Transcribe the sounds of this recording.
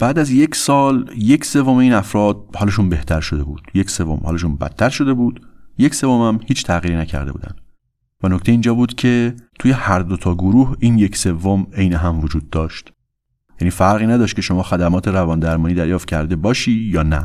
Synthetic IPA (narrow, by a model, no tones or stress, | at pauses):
b̥æːd̪æzje̞csɒːlje̞cʰse̞vo̞meiːnæfɾɒːd̪̥̚hɒːleʃuːnbe̞ht̪ʰæɾʃo̞d̪e̞buːd̪̥je̞cse̞vo̰mhɒ̰leʃ̬uːnbæ̰t̪ʰːæɾʃo̞d̪e̞buːd̪̥je̞cse̞vomæmhiːt͡ʃʰt̪ʰæɣiːɾiːnæcʰæ̰ɾd̪e̞bṵːd̪æ̰nd̪ | vænoct̪ejiːnd͡ʒɒːbuːd̪̥cʰe̞t̪ʰuːje̞hæɾd̪ot̪ʰɒːɡoɾuːhiːnje̞cse̞vːomejneɦæmvod͡ʒuːd̪̚ːɒːʃt̪ | jæniːfæɾɣiːnæd̪ɒːʃt̪̚cʰe̞ʃo̞mɒːxæd̪æmɒːt̪ʰe̞ɾævɒːnd̪æɾmɒːniːd̪æɾjɒːft̪cʰæɾd̪e̞bɒːʃiːjɒːnæ̰